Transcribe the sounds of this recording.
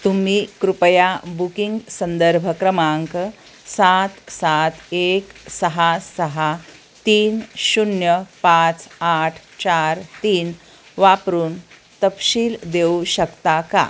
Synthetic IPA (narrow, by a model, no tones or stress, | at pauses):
t̪um̤iːkɾupəjabukiŋɡsənd̪əɾbʱəkɾəmaŋk | sat̪sat̪eksəɦasəɦa | t̪iːnɕunjəpãt͡saʈʰt͡ɕaɾt̪iːn | ʋapɾuːn | t̪əpɕiːld̪euɕəkt̪aka̰